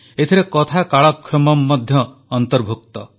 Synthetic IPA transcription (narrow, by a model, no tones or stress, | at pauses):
et̪ʰiɾekɔt̪ʰakaɭɔkʰːjɔmɔmːɔd̪ʱjɔː | nt̪ɔɾbʱukt̪ɔ